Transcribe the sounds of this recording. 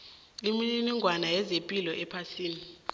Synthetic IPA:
limiiniŋɡʱwanajɛzempʼilɔʔɛpʰasiːni

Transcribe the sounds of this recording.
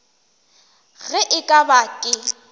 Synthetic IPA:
ɣɛʔɪkʼabakʼɪ

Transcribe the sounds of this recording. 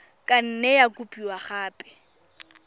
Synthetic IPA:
kʼan̩nɛjakʼupʼiwaχaːpʼɛ̥

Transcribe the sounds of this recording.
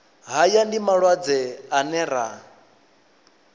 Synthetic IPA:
ɦajandimaɺwad͡zɛanɛɾa

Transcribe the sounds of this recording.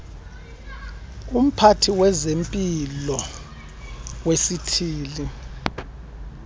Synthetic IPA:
um̩pʰatʰiwɛzempʼilɔ | wesitʰiːli

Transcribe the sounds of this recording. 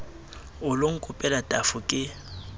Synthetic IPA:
ʊlʊŋ̩kʼʊpʼɛlatʼafʊkʼɪ

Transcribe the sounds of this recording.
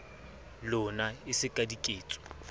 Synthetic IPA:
lʊnaɪsɪkʼadikʼeːt͡sʼɔ̥

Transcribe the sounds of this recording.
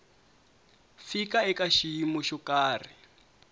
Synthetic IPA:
fikaɛkaʃijimuʃɔkaːri

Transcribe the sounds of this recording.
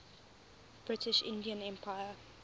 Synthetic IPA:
b̥ɹɪtʰɪʃɪ̰̃ndiə̃nɛ̃mpʰaɪə

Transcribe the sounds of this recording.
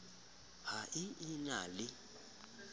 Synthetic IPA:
haʔɪʔɪnalɪ

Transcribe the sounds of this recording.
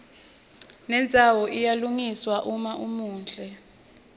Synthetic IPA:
nɛnd͡zʱawɔʔijaluŋiswaʔumaʔumuːnd͡ɮʱʼɛ

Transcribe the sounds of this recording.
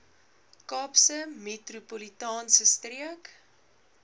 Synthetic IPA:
kɑːpsəmetrupolitɑːnsəstriək

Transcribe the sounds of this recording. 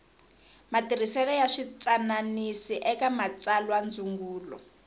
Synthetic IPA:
matir̤isɛlɔjaʂit͡sananisiʔɛkamat͡salwand͡zuŋɡuːlɔ̰

